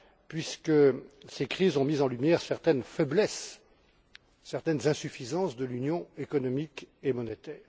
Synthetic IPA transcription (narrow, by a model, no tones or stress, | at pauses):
pɥiskəsekχizɔ̃mizɑ̃lymjɛʁsɛʁt̪ɛnfɛblɛs | ɛʁt̪ɛnzɛ̃syfizɑ̃sd̪əlynjɔ̃ekɔnɔmikemɔnet̪ɛːʁ